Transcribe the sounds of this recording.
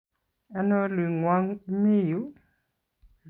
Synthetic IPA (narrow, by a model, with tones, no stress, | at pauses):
a˦nɔ˦li˨ŋwa˦ŋ˦mi˦˨ju˦